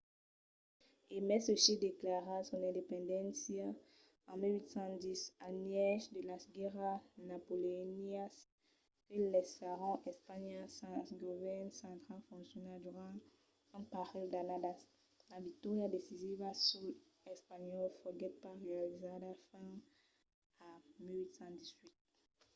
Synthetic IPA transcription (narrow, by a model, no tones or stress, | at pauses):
emɛsəsid̪eklaʁasɔnɛ̃ndepɛ̃nd̪ɛ̃nsja | ãmiwit̪sɑ̃d̪isanjɛʃd̪əlasɡɛʁanapolenias | kelɛsaʁɔ̃ʔɛspaɲasãsɡovɛnsɑ̃t̪χalfɔ̃sjɔnaduʁã | ãpaʁild̪anadas | lavik̚t̪ɔʁjadesizivasul | ɛspaɲɔlfɔɡɛpaʁealizadafɛ̃ | amilwit̪sɑ̃d̪izwit̪̚